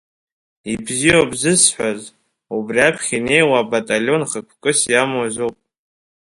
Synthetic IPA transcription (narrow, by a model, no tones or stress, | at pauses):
ibzijobzɨsħʷaz | ubriapʰχʲine̞jwabatʼalʲio̞nχəkʷʰkʼɨsjamwazowpʼ